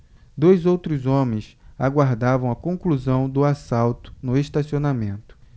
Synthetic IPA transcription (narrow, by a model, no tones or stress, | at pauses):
d̪ojzowt̪ɾʊzõmẽj̃saɡwaɾd̪avɐ̃w̃ɐkõŋkluzɐ̃w̃d̪ʊasawt̪ʊ̥nʊeʃt̪asionamẽnt̪ʊ̥